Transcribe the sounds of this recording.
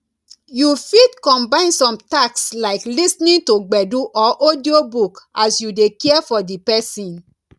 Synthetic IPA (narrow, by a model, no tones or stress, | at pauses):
jufidkɔ̃mbãɪ̃nsɔ̃mtakslaɪklisnĩntoɡ͡bɛduʔɔʔodiobukasjudekɛɛfɔdipɛsĩn